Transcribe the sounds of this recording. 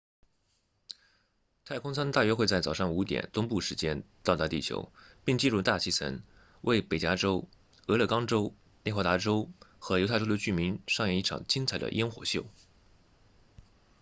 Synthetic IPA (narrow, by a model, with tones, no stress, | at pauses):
t̪ʰa˥˩ɪkʰʊ˥ŋsa˥nt̪a˥˩ɥɛ˥xwe˥˧ɪt͡sa˥˩ɪt͡sɑ˨˩ʊʂɑ˥˩ŋu˧˥t̪jɛ̰˨˩nt̪ʊ˥ŋpu˥˩ʂɻ̩˧˥t͡ɕjɛ˥nt̪ɑ˥˧ʊt̪a˥˧t̪i˥˩t͡ɕʰjo̰˧˥ʊpi˥˧ŋt͡ɕi˥˧nɻu˥˧t̪a˥˧t͡ɕʰi˥˩t͡sʰə̰˧˥n | wʔe˥˩ɪpe˨˩ɪt͡ɕja˧˥ʈ͡ʂo˥ʊ | ɤ˧˥lɤ˥˩kɑ˥ŋʈ͡ʂo˥ʊ | njɛ˥˩xwa˥t̪a˧˥ʈ͡ʂo˥ʊxɤ˧˥jo˧˥t̪ʰʈ͡ʂo˥ʊd̪ə˧t͡ɕy˥˩mi˧˥nʂɑ˥˧ŋjɛ˥˧i˥˩ʈ͡ʂʰɑ̰˨˩ŋt͡ɕi˥nt͡sʰa˨˩ɪd̪ə̰˧ʔɛ˥nxwɔ̰˧˥˦ɕjo˥˩ʊ